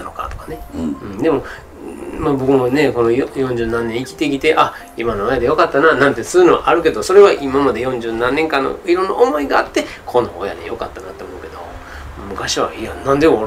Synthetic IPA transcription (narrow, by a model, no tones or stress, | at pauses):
ano̞ka̰t̪o̞kane̞ɯ̃d̪e̞mo̞ | mabo̞kɯ̟mone̞ko̞nojojõ̞ɲ̟d͡ʑɨːnãnːẽ̞ɰ̃ikʲi̥t̪e̞kʲit̪e̞ʔa | imanoojad̪ejo̞kat̪ːananãnt̪e̞sɨɯnoβa̰ʔaɾɯ̟ke̞d̪o̞so̞ɾe̞βaʔimamad̪e̞jõ̞ɲ̟d͡ʑɨːnãnːe̞ŋkãnːo̰iɾõ̞nːaʔomo̞iɡaːt̪ːe̞ | kʰo̞no̞oja̰d̪e̞̰jo̞̰kat̪ːana̰t̪ːeomo̞ɯ̟ke̞d̪o̞̰ | mɯ̟kaɕiβa̰ijanãnd̪e